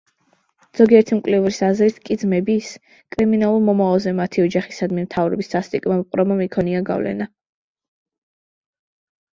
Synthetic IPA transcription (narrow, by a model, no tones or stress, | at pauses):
z̥ɔɡiɛɾt̪ʰimkʼlɛuɾisazɾit̪ʰkʼid̪zmɛbis | kʼɾiminalˠuɾmɔmavalˠzɛmat̪ʰiɔd͡ʒaχisad̪mimt̪ʰavɾɔ̰bisʰast̪ʼikʼmamqʼɾɔmamikʰɔniaɡa̰vlɛ̰na